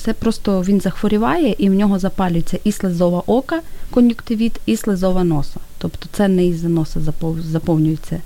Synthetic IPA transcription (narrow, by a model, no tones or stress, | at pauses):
t̪ɛpɾɔst̪ɔʋʲinzɐxʋɔɾʲiʋɑjɛʔiwnʲɔɦɔzɐpɑlʲʊjet͡sʲːɐʔislˠɪzɔʋɐʔɔkɐkɔnʲjʊkt̪ɪʋʲit̪islˠezɔʋɐnɔsɐtt̪ɔpt̪ɔ̥t̪sɛnɛizɐnɔsɐzɐpɔzɐpɔwnʲʊjet͡sʲːɐ